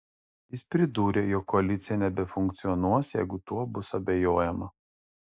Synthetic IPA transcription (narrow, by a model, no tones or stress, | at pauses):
jɪspʲɾʲɪd̪uːɾʲeːjɔkːɔɐlʲɪt̪sʲɪjɛnʲɛbʲɛfʊŋʲkt̪sʲɪɔnuɔsjɛɪɡʊt̪uɔbʊsɐbʲɛjoːjɛmɐ